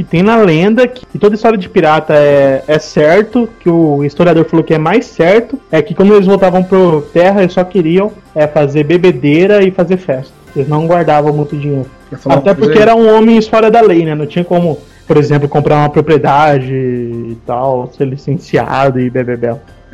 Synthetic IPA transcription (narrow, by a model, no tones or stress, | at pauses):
kɪt̪ẽj̃nɐlẽnd̪ɐkɪkɪt̪od̪ɐist̪ɔɾjɐd͡ʒɪpiɾat̪ɐɛɛsɛɾt̪ʊkɪʊist̪oɾiad̪oɾfaloʊkɪɛmajsɛɾt̪ʊɛkɪkwɐ̃nd̪ʊelɪzvowt̪avɐ̃w̃pɾʊt̪ɛɦɐelsɔkɪɾiɐ̃w̃ | ɛfazeɾbebed̪eɾɐɪfazeɾfɛst̪ɐelɪznɐ̃w̃ɡwaɾd̪avɐ̃w̃mũj̃t̪ʊd͡ʒĩɲejɾʊat̪ɛpoɾkeɛɾɐũõmẽj̃stɔɾɐd̪ɐlejnɛnɐ̃w̃t͡ʃĩɲɐkõmʊ | poɾezẽmplʊkõmpɾaɾũmɐpɾopɾied̪ad͡ʒɪːt̪awseɾlisẽsia̰d̪ʊɪbebebɛlʊ